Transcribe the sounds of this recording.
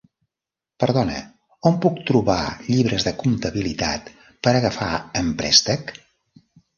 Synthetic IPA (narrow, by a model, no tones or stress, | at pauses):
pəɾðɔnə̰ | ompuk̚t̪ɾuβa̰ʎiβɾəzðəkumt̪əβilit̪a̰t̪ | pəɾəɣəfa̰əmpɾɛ̰st̪ək